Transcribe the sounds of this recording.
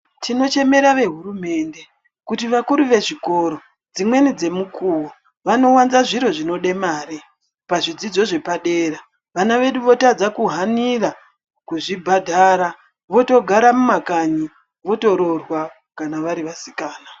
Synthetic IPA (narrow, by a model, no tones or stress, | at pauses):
tino̞t͡ʃe̞me̞ɾaʋe̞ɦurume̞ːnde̞ | kutiʋakuɾuʋe̞ʐiko̞ɾo̞ | d͡zimwe̞nid͡ze̞mukʰuːwo | ʋano̞wanzaʐiɾo̞ʐino̞ɗe̞maːɾi | paʐid͡zid͡zo̞ʐe̞paɗe̞ːra | ʋanaʋe̞ɗuʋo̞tad͡zakuɦanira | kuʐibʱadʱaɾa | ʋo̞to̞ɡʱaɾamumakaɲi | ʋo̞to̞ɾo̞rwa | kanaʋaɾiʋasikaːna